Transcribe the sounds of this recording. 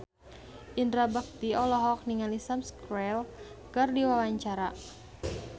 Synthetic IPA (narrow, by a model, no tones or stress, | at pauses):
ʔindɾabak̚t̪iɔlɔɦɔk̚niŋalisamskɾɛlkɨrdiwawaɲt͡ʃaɾa